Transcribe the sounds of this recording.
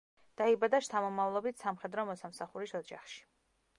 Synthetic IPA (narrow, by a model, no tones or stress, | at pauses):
d̪̥aibad̪aʃt̪ʰamɔmavlˠɔbit̪ʰsamχɛd̪ɾɔmɔsamsaχuɾisɔd͡ʒa̰χʃi̥